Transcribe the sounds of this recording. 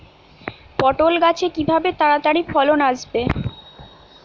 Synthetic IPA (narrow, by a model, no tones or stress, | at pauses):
pɔʈolɡat͡ɕʰekibʱabet̪aɾat̪aɽifʰɔlonaʃbe